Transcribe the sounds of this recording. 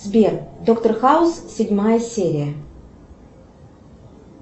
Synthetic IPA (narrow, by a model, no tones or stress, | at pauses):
zbʲerd̪okt̪ərxaʊssʲɪdʲmajəsʲeɾʲɪjə